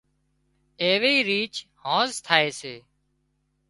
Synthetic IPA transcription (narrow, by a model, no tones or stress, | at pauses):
eːʋeːiːɾiːt͡ʃhõːzt̪ʰaːeːseː